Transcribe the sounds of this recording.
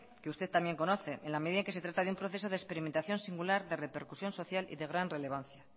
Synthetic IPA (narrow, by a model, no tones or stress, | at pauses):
keust̪e̞ðt̪ambje̞ŋko̞no̞θe̞enlame̞ðiðaeŋkese̞t̪ɾat̪aðeumpɾo̞θe̞so̞ðespe̞ɾiment̪aθjo̞nsiŋɡulaɾðe̞re̞pe̞ɾkusjo̞nso̞θjalḭðe̞ɣɾanre̞le̞βanθja